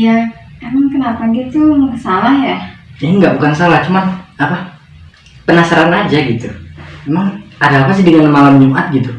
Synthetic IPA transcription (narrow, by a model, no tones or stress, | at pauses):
jakamənkənapaɡit̪uməkəsalahjad͡ʒŋɡaʔbukans̬alaht͡ʃumanapa | pənasaɾanad͡ʒaɡit̪umemaŋadalapas̬idəŋanmalamɲuat̪̚ɡit̪u